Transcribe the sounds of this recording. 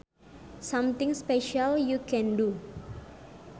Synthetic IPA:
samt̪ɪ̃ŋspeʃaljukɛ̃ndu

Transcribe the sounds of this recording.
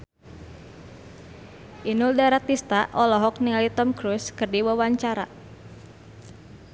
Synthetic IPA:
ʔinuldaɾat̪ist̪aʔɔlɔɦɔk̚niŋalit̪ɔmkɾuskɨrdiwawaɲt͡ʃaɾa

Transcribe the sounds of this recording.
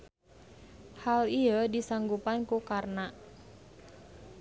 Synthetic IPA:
haliədisaŋɡupankukarna

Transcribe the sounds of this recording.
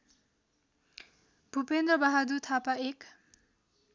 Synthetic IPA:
b̥ʱupend̪ɾʌbaɦad̪ut̪ʰapaek

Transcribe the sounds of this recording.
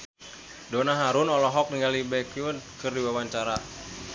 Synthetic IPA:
dɔnaɦaɾunɔlɔɦɔk̚niŋɡalibɛkunkɨrdiwawaɲt͡ʃaɾa

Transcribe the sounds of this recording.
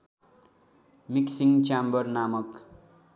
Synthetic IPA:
miksiŋt͡ʃambʌrnamʌk

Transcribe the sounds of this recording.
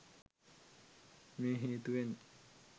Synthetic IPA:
meːɦeːt̪uʋen

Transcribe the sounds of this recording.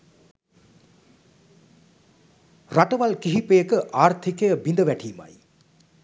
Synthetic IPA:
raʈəʋalkiɦipejəkəʔaːrt̪ʰikejəbind̪əʋæʈʰiːma̰j

